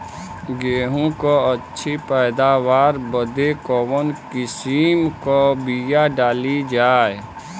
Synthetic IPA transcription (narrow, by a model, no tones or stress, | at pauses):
ɡeːɦõkoətːʃʰipɛːd̪awaːɾbəd̪ekɔːwənkɪsimkobijaɖaːlid͡ʒaːe